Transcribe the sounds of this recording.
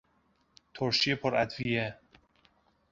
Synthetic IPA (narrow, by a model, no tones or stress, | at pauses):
t̪ʰoɾʃiepʰoɾæd̪vije